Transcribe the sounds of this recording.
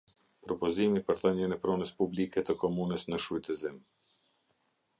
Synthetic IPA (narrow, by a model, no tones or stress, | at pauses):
pɾɔpɔzimipəɾðɔɲɛnɛpɾɔnəspublikɛt̪əkɔmunəsnəʃujt̪ɛzim